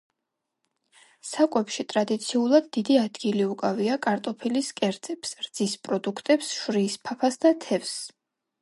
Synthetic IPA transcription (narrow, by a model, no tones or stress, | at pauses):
sakʼwɛpʃit̪ʼɾad̪it̪sʰiulˠad̪ːid̪iad̪ɡiliukʼaviakʼaɾt̪ʼɔpʰiliskʼɛɾd̪z̥ʼɛpsɾd̪z̥ispʼɾɔd̪ukʰt̪ʼɛpsʃɾiːspʰapʰasd̪at̪ʰɛvs